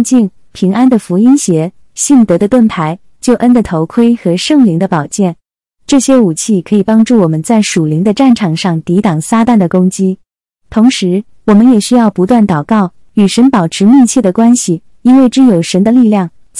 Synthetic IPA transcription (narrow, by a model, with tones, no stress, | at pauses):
t͡ɕi˥˩ŋ | pʰi˧˥ŋʔa˥nd̪ə˨fu˧˥i˥nɕjɛ˧˥ | ɕi˥˩nt̪ɤ˧˥d̪ə˧t̪wə˥˩nt̪ʰa˧˥ɪ | t͡ɕjo˥˩ʊʔə˥nd̪ə˨t̪ʰo˧˥ʊkʰwe˥ɪxɤ˧˥ʂɤ˥˩ŋli˧˥ŋd̪ə˧pɑ˨˩ʊt͡ɕjɛ˥˩n | ʈ͡ʂɤ˥˩ɕjɛ˥u˨˩t͡ɕʰi˥˨˩kʰɤ˧˥i˨˩pɑ˥ŋʈ͡ʂu˥˩wɔ˨˩mə˦nt͡sa˥˩ɪʂu˨˩li˧˥ŋd̪ə˧ʈ͡ʂa˥˩nʈ͡ʂʰɑ˨˩ŋʂɑ˥˩ŋt̪i˧˥t̪ɑ˨˩ŋsa˥t̪a˥˩nd̪ə˩kʊ˥ŋt͡ɕi˥ | t̪ʰʊ˧˥ŋʂɻ̩˧˥ | wɔ˨˩mə˦njɛ˨˩ɕy˥jɑ˥˩ʊpu˧˥t̪wa˥˩nt̪ɑ˨˩ʊkɑ˥˩ʊ | y˨˩ʂə˧˥npɑ˨˩ʊʈ͡ʂʰɻ̩˧˥mi˥˧t͡ɕʰjɛ˥˩d̪ə˩kwa˥nɕi˨˩ | i˥nwe˥˩ɪʈ͡ʂɻ̩˥˩jo˨˩ʊʂə˧˥nd̪ə˧li˥˧ljɑ˥˩ŋ | t͡ɕ